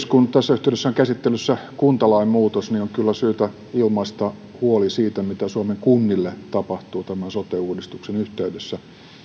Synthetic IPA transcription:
skunt̪æsːæyht̪eˑyɾesːæoŋkæsit̪ːelːysːækunt̪ɑlɑimmuːt̪osnioŋkylːæsyːt̪æ | ilmɑist̪ɑ | huolisiːt̪æmit̪æsuɑmeŋkunːilːet̪ɑpɑht̪uːt̪æmænsot̪euːdist̪uksenyht̪eydesːæ

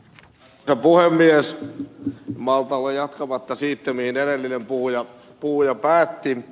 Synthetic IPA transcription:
sɑpuhemːies | mɑlt̪ɑlːejjɑt̪kɑmɑt̪ːɑsiːt̪ːemihinelelːinempuhujɑ | puhujɑpæːt̪ːi

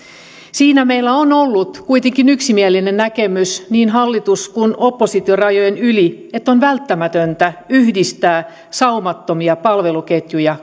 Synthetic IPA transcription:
siːnæmeilːæonolːut̪kuit̪eŋkinyksimielinennækemysniːnɦɑlːit̪uskunopːosit̪iorɑjojenyliet̪ːonʋælt̪ːæmæt̪ønt̪æyhdist̪æː | sɑumɑt̪ːomiɑpɑlʋeluket̪jujɑ

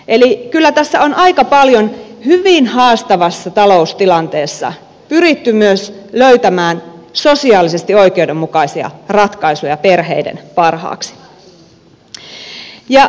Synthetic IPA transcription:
ʔelikylːæt̪æsːæo̞nʔɑikɑpɑljonhyʋinhɑːst̪ɑʋɑsːɑt̪ɑlo̞ust̪ilɑnt̪e̞ːsːɑ̰ | pyɾit̪ːymyøsløyt̪æmæːnso̞siɑːlisest̪io̞ikeude̞mːukɑisiɑ̰rɑt̪kɑisujɑpe̞rɦḛidḛnpɑrhɑ̰ːksi̥ | jɑ

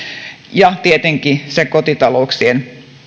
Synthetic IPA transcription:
jɑt̪iet̪eŋkiseŋkot̪it̪ɑlouksien

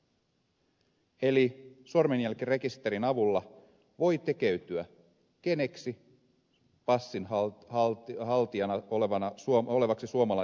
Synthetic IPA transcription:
e̞lisormenjælkire̞kist̪e̞ɾinɑʋulːɑ | ʋo̞jt̪e̞ke̞ɥt̪yæ | ke̞ne̞ksi | pɑsːinɦ | ɦɑlt̪iɑnɑoleʋɑnɑsuoo̞le̞ʋɑksisuomɑlɑ

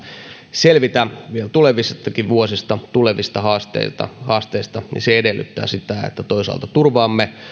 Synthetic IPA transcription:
selʋit̪æʋielt̪uleʋist̪ːɑkiʋuosist̪ɑt̪uleʋist̪ɑhɑːst̪ḛit̪ɑ̰hɑːst̪eist̪ɑnḭseedelːy̰t̪ːæ̰ːsit̪æḛt̪ːæt̪oisɑ̰lt̪ɑt̪urʋɑːmːe

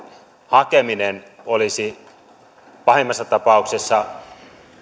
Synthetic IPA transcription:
hɑkeminen | olisi | pɑhemːɑsːɑt̪ɑpɑˑuksesːɑ

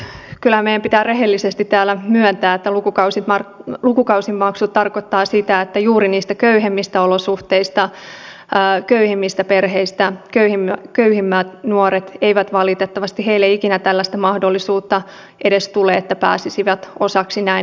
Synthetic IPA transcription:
kylhæmeijæmpit̪æːreɦelːisest̪it̪tæːlæmyœnt̪æːet̪ːælukukɑusit̪mɑrlukukɑwsimːɑksut̪t̪ːɑrkot̪ːɑːsit̪æet̪ːæjuːɾiniːst̪ækøyɦemːist̪æolosuht̪eist̪ɑ | køyhemːist̪æperɦeist̪ækøhimːkøyhimːæːt̪nuoɾet̪eiʋæt̪ʋɑlit̪et̪ːɑʋɑst̪iheilːeikinæt̪ælːæst̪æmɑhdolːisuːt̪ːɑ | ʔedest̪uleːet̪ːæpæ̰ːsisiʋæt̪osɑksinæin

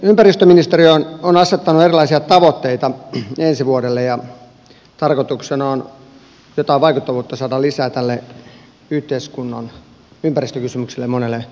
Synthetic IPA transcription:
ympærist̪øminist̪eriononɑset̪ːɑnuerilɑisiɑt̪ɑʋot̪ːeit̪ɑensiʋuodelːejɑ | t̪ɑrkot̪uksenɑon | jot̪ɑiʋɑikut̪ːɑʋuːt̪ːɑsɑːdɑlisæːt̪ælːe | yht̪eiskunːɑn | ympærist̪økysymyksilːemonelːe

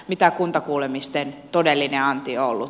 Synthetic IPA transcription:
mit̪ækunt̪ɑkuːlemist̪ent̪odelːineɑnt̪ioolːu

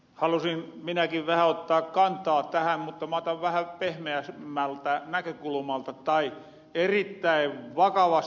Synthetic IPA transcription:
hɑlusin | minækiʋʋæhæot̪ːɑːkkɑnt̪ˑɑːtt̪æhæmmut̪ːɑmɑːt̪ɑʋʋæhæpehmeæsmːælt̪ænækøkulmɑlt̪ɑt̪ɑi | erit̪ːæiʋʋɑkɑʋɑs

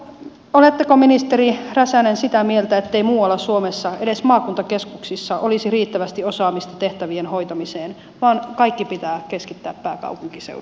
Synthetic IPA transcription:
olet̪ːekominist̪eɾiræsænensit̪æmielt̪æet̪ːeimuːɑlːɑsuomesːɑedesmɑːkunt̪ɑkeskuksisːɑʔolisiriːt̪ːæʋæst̪iosɑːmist̪ɑ̥t̪eht̪æʋienho̞it̪ɑmiseːn | ʋɑːnkɑikːipit̪æːkeskit̪ːæːppæːkɑ̰upuŋkisḛu

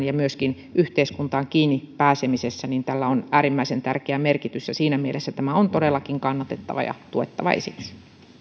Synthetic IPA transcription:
njɑmyøskin | ʔyht̪eiskunt̪ɑːŋkiːnːipæːsemisesːæniːnt̪ælːæonʔæːɾimːæisent̪ærkeæmerkit̪ysjɑsiːnæmielʔesːæt̪æmæont̪odelːɑkiŋkɑnːɑt̪et̪ːɑ̰ʋɑ̰jɑ̰t̪uet̪ːɑʋɑ̰ʔḛsḭksi̥

